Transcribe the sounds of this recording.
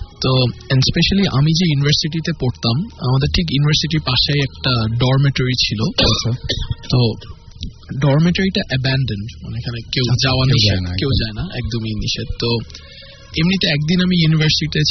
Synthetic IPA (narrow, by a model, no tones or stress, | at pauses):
t̪oɛnɖspeʃaliʔa̰mid͡ʑejunivɐɾsiʈit̪epoɾt̪ama̰mad̪eɾʈʰik̬junivʱəɾsiʈiɾpaʃejɛk̚ʈaɖɔɾmeʈoɾit͡ɕʰilo | t̪o | ɖɔɾmeʈoɾiʈaʔɛbɛnɖenɖma̰neekʰanekewd͡ʑaoaniʃenkewd͡ʑaenaʔɛ̰k̚d̪ominḭʃed̪t̪o | emnit̪eɛk̚d̪inamijunivəɾsiiʈe